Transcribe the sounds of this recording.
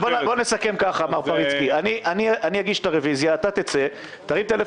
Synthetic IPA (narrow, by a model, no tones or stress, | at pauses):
bobo̞nesake̞mkaχaːmaʁpaʁit͡skianiʔaniaʔanijaɡiʃt̪aʁevizjaːtat̪et͡se̞ | t̪aʁimt̪ele